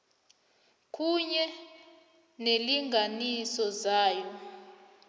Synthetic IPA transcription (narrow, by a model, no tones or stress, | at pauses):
kʰʼuɲɛ | neliŋɡʱanisɔzaːjɔ